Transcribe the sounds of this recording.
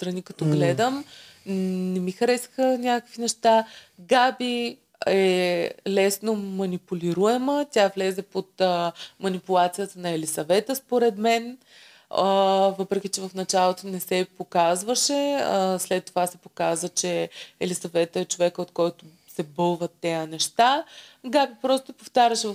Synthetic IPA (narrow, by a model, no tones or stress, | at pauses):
st̪ɾɐnikɐt̪ɔɡlɛd̪əm | nɛmixɐɾɛsə̥xənʲakkə̥kvinɛʃt̪aɡabi | ɛlɛsnomɐnipulʲiɾuɛmət̪ʲavlɛzɛpot̪əmɐnipulˠat̪sijət̪ənɐɛlisɐvɛt̪əspoɾɛt̪mɛn | vɤpɾɛk̟ʲit͡ʃɛvɐfnɐt͡ʃalˠot̪onɛsɛpokazvəʃɛslɛt̪ːovasɛpokazvət͡ʃɛɛlisɐvɛt̪əɛt͡ʃovɛkəot̪kɔjt̪o | sɛbɤlˠvət̪ːɛjənɛʃt̪aɡabipɾɔst̪opoft̪aɾʲɐʃɛv